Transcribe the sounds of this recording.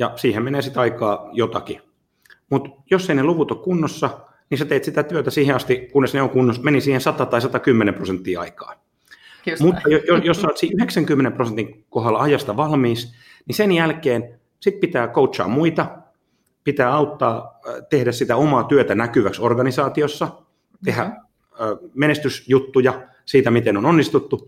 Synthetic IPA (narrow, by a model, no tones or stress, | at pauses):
jɑsiːhemmeneːsit̪ɑikɑːjot̪ɑki | mut̪josːeineluʋut̪okkunːosːɑ | niset̪eːt̪sit̪æt̪yøt̪æsiːheɑst̪ikunːesneoŋkunːosmenisiːhensɑt̪ɑt̪ɑisɑt̪ɑkymːenemprosent̪ːiːɑ̰ikɑ̰ː | mut̪ːɑjojojosːɑːt̪siʔyheksæŋkymːenemprosent̪iŋkoɦɑlːɑɑjɑst̪ɑʋɑlmiːs | nisenjælkeːn | sit̪̚pit̪æːkoutsɑ̰ːmmuit̪ɑ | pit̪æːɑut̪ːɑːt̪ehdæssit̪æomɑːt̪yøt̪ænækyʋæksorɡɑnisɑːt̪iosːɑ | t̪ehæ | øːmenest̪ysjut̪ːujɑ | siːt̪æmit̪enononːist̪ut̪ːu